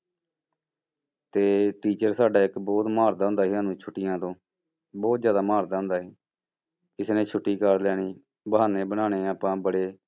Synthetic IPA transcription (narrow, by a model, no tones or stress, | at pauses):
t̪eːʈiːt͡ʃəɾsaːɖaːɪkbɔːt̪maːɾd̪aɦʊ̃nd̪aːɦiːãːnũːt͡ʃʰʊʈːɪjãːt̪õː | bɔːt̪zjaːd̪aːmaːɾd̪aːɦʊ̃nd̪aːɦiː | ɪsnẽːt͡ʃʰʊʈːiːkəɾlɛːɽiː | bəɦaːneːbənaːɽeːaːpãːbəɽeː